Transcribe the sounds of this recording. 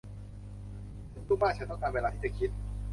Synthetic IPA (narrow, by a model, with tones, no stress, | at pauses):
sɯ˧˥˩u˥˩ŋmaː˥˩t͡ɕʰa˦˥nt̪ɔ˥˩ŋk̪aː˧nweː˧lːt̪ʰiː˥˩t͡ɕa˧˩kʰi˦˥t̪̚